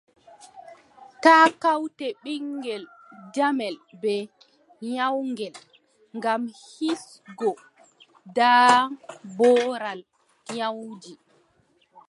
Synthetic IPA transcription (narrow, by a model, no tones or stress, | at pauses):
taːkawtɛɓiŋɡɛld͡ʒamɛlbɛ | ɲawŋɡɛl | ŋɡamhis | ɡɔ | daː | bɔːɾal | ɲawd͡ʒi